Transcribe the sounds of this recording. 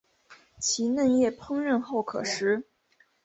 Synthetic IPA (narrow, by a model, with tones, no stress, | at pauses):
t͡ɕʰi˧˥nə˥˧njɛ˥˩pʰɤ˥ŋɻə˥˧nxo˥˩ʊkʰɤ̰˨˩ʂɻ̩˧˥